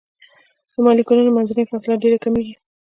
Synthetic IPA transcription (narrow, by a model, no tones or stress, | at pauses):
d̪̥əmɑlikunanomanzanəjfɑsɪlaɖeɾakameɡi